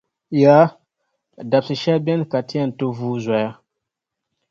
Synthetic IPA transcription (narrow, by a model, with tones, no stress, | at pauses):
ja˨˦ | da˨p̚si˨ʃɛ˦bɛ˦nka˨ti˦ɛ˦˨n˨to˦vuː˦zɛ˨a˦